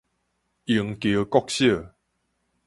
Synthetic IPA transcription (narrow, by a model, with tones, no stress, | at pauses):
i˨˩˦ŋkjə˨˦kɔ˥˧k̚ɕjə˥˧˨